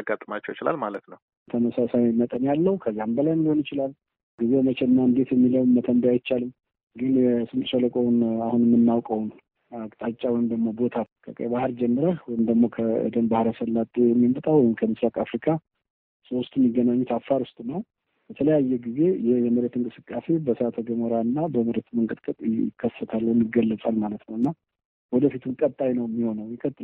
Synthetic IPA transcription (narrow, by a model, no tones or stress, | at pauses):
aɡːat̪ʼːəmat͡ʃːəwjt͡ʃɪla̰lmalət̪nəw | t̪ʰəməsasajmət̪ʼənjalːəhukʰəzːambəlajnliho̞njɪt͡ʃɪlal | ɡize̞mət͡ʃʰɛlnːaɨnd̪e̞t̪jɛmːiləwnmːət̪ʰənd̪aajt͡ʃːalɨm | ɡɨnɛsɨmt̪ʼʃələkʼownahunɛmːɨnːawkʼəwn | akʼt̪ʼat͡ʃʼːawɔjmd̪əɡmo̞bo̞t̪ʰakʰəkʼə̰bahɨɾd͡ʒɛmːɨɾəwɔjɪmd̪əɡmo̞kʰəə̰d̪əmbahɾəsəlːat̪ʼːejɛmːimət̪ʼawɔjɪmkʰəmɨsɾakʼafɾikʰa | sost̪ʼumːiɡːənaɲːɛt̪afːaɾʊst̪ʼnːəw | b̥ət̪ʰələjajːɛɡize̞jɪhjɛməɾet̪ɨŋkʼɨsɨkʼːase̞bəsəat̪ʰoɡəməɾanːabəməɾet̪məŋkʼɨt̪kʼət̪ʼɪ̰kʰːəsːət̪ʰalːnɨɡəlːət͡sʼalmalət̪nəwɨnːa | wɔd̪əfit̪ʰumkʼət̪ʼːajnəwmːiho̞nəwjɛkʼət̪ʼːɨ